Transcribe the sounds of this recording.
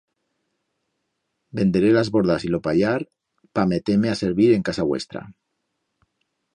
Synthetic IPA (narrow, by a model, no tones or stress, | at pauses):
bend̪eɾelazβoɾðasilopaʎaɾ | pamet̪emeaseɾβiɾeŋkasaβwḛst̪ɾa̰